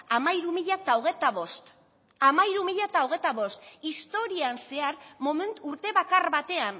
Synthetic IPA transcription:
amaiɾumiʎat̪aoɣ̞et̪aβost̪ | amaiɾumiʎat̪aoɣ̞e̞t̪aβo̞st̪ist̪o̞ɾianse̞aɾmoment̪uɾt̪e̞βakarβat̪e̞an

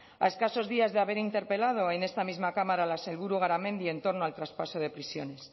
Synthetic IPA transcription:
a̰e̞skaso̞zðiazðeaβe̞ɾint̪e̞ɾpe̞lað̞o̞e̞ne̞st̪amizmakamaɾalase̞lβuɾuɣ̞aɾamẽ̞nd̪ie̞nt̪o̞ɾnoalt̪ɾaspaso̞ð̞e̞pɾisjo̞̰ne̞s

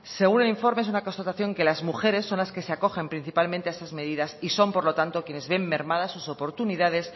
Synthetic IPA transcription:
se̞ɣ̞une̞liɱfo̞ɾmees̬unako̞st̪at̪aθjo̞ŋke̞lazmuxe̞ɾe̞sːo̞nlaske̞seako̞xe̞mpɾin̟θipalmẽnt̪eaesazme̞ð̞iðasiso̞mpo̞ɾlo̞t̪ant̪okje̞ne̞zβe̞mːe̞ɾmað̞asuso̞po̞ɾt̪uniðað̞e̞s

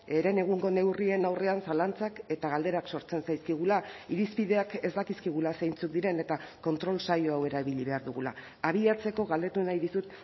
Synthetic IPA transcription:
eɾe̞ne̞ɣ̞uŋɡo̞ne̞wrie̞nawre̞ansalant͡sake̞t̪aɣald̪e̞ɾakso̞ɾt͡se̞nsajskiɣ̞ulaiɾispið̞e̞ake̞zd̪akiskiɣ̞ulasejnt͡suk̚d̪iɾe̞ne̞t̪ako̞nt̪ɾo̞lsajo̞awe̞ɾaiβiʎiβe̞aɾðuɣula̰ː | β̞iat͡se̞ko̞ɣald̪e̞t̪unajðisut̪

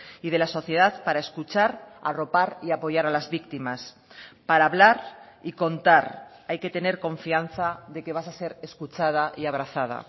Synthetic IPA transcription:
ið̞e̞laso̞θje̞ð̞aðpaɾae̞skut͡ʃaɾa̰ro̞paɾiapo̞ʝaɾalazβik̚t̪imas | paɾaːβlaɾiko̞nt̪aɾajke̞t̪e̞ne̞ɾko̞ɱfianθaðe̞ke̞β̞asase̞ɾe̞skut͡ʃað̞aʔiaβ̞ɾaθað̞a̰

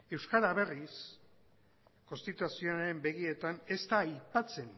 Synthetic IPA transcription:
e̞wskaɾaβe̞ris | ko̞nst̪it̪usionaɾe̞mbe̞ɣie̞t̪ane̞st̪aːjpat͡se̞n

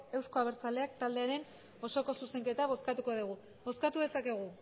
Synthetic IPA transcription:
e̞wsko̞aβ̞eɾt͡sald̪e̞akt̪ald̪e̞aɾe̞n | o̞so̞ko̞suse̞ŋke̞t̪aβo̞skat̪uko̞ðuɣ̞u | βo̞skat̪uðe̞sake̞ɣ̞u

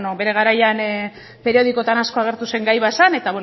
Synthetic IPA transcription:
noβe̞ɾe̞ɣ̞aɾajan | pe̞ɾio̞ð̞iko̞t̪anasko̞aɣ̞e̞ɾt̪use̞ŋɡajβaesane̞t̪aβwe

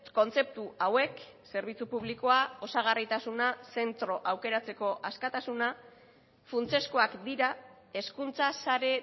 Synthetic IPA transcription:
ko̞nt͡se̞p̚t̪uawe̞kse̞ɾβ̞it͡supuβ̞liko̞ao̞saɣ̞arit̪asunase̞nt̪ɾo̞ʔawke̞ɾat͡se̞ko̞ʔaskat̪asuna | funt͡se̞sko̞akd̪iɾa | e̞skunt͡sasaɾe̞

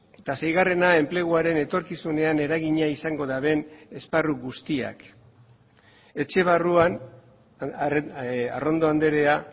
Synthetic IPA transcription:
t̪asejɣare̞nae̞mple̞ɣ̞uaɾe̞ne̞t̪o̞ɾkisune̞ane̞ɾaɣiɲaisaŋɡo̞ðaβe̞ne̞sparuɣust̪ia̰k | e̞t͡ʃe̞β̞aruan | aro̞nd̪o̞and̪e̞ɾe̞a

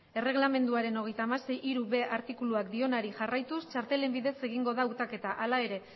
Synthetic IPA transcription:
e̞re̞ɣlame̞nd̪uaɾe̞no̞ɣ̞e̞jt̪aːmase̞jiɾuβe̞aɾt̪ikuluakd̪io̞naɾiʝarajt̪ust͡ʃaɾt̪e̞le̞mbiðe̞se̞ɣ̞iŋɡo̞ð̞aut̪ake̞t̪aʔalae̞ɾe̞

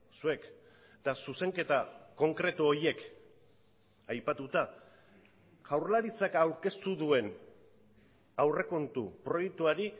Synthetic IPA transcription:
sue̞k | t̪asuse̞ŋke̞t̪ako̞ŋkɾe̞t̪uo̞ɾie̞k | ajpat̪ut̪a | ɣawɾlaɾit͡sakawɾke̞st̪uðue̞n | awre̞ko̞nt̪upɾo̞jek̚t̪uaɾi

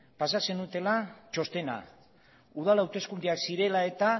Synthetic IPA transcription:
pasase̞nut̪e̞lat͡ʃo̞st̪e̞na̰ | uð̞alawt̪e̞skund̪iaksiɾe̞lae̞t̪a

